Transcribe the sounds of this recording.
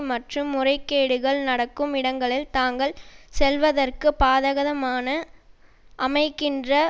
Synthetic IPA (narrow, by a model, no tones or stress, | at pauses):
mɐʈrɯmːʊrɐɪkːeːɽɯɣɐɭnɐɽɐkːɯmɪɽɐŋɡɐɭɪlt̪aːŋɡɐɭsɛlʋɐðɐrkɯpaːðɐɣɐðɐmaːnɐ | ʔɐmɐɪkːɪndrɐ